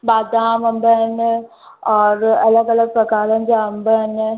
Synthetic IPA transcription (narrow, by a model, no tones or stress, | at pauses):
baːd̪aamɐmbən | ɔːɾɐləɡɐləɡ̚pɾɐkaːlɐnd͡ʒaɐmbən